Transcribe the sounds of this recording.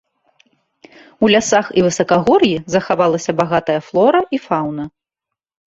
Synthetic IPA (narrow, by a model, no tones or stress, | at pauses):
ulʲasaxivɨsɐkɐɣɔrjizɐxavalˠɐsʲɐbaɣat̪ɐjɐflˠɔɾɐʔifawnɐ